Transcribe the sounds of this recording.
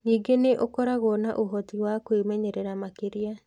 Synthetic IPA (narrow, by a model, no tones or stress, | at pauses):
niːɡeneʔokɔɾaɣɔnaʔoɦɔtiwakwemɛɲɛɾɛɾamakeɾia